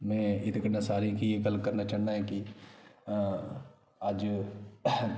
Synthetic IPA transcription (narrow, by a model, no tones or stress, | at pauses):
mɛ̃ːɪt̪kəɾnasaːɾikijekəlkɐɾnat͡ʃaːɽnaɦɛki | aːd͡ʒ